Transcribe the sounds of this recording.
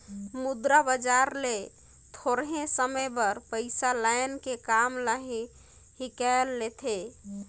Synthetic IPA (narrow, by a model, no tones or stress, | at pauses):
mud̪ɾabəd͡ʒaɾle | t̪ʰoɾɦẽsəməjbəɾpəɪsalajnkekamlaɦi | hikalːet̪ʰe